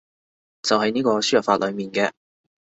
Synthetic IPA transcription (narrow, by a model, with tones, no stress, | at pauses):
t͡sɐ˨wɦɐ˨˥jniː˥kɔː˧syː˥jɐ˨˩faː˧t̚lʔɵ˨˧ɥmiː˨nkɛː˧